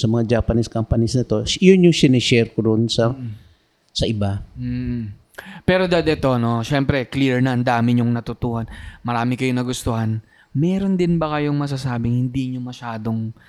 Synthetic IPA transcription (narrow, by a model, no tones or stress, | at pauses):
sɐmɐŋad͡ʒaːpɐniskampɐnisnɐt̪o̞jʊnjʊŋsɪnɛʃɛɾkod̪onsɐ | sɐʔɪba | pɛːɾo̞d̪ad̪ɛt̪o̞no̞ʃɛmpɾɛkliɹnɐʔɐnd̪aːmɪɲoŋnɐt̪ʊt̪uhɐnmɐɾaːmɪkɐjonɐɡʊst̪ohan | mɛːɾo̞nd̪ɪnbɐkɐjo̞ŋmɐs̬asaːbɪŋhɪnd̪iɲomɐʃaːd̪o̞ŋ